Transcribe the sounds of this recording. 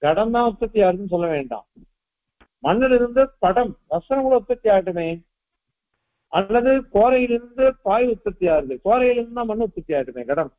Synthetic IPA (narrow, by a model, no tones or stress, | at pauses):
ɡɐɽɐmd̪ãːʊt̪ːɐt̪ːɪjaːɾɯðɯnːɯs̬ɔlːɐʋeːɳɖã̰ː | mɐɳːɪlɪɾɯnd̪ɯpɐɽɐmʋɐsɐnɐŋɡɐɭoʊt̪ːɐt̪ːɪjaːjʈːɯmeː | ʔɐlːɐðɯkoːɾɐjɪlɪɾɯnd̪ɯpaːjʊt̪ːɐt̪ːɪjaːɾɯðɯkoːɾɐjɪlɯɾɯnd̪ɯd̪ãːmɐɳːɯʊt̪ːɐt̪ːɪjaːʈːɯmḛːɡɐɽɐm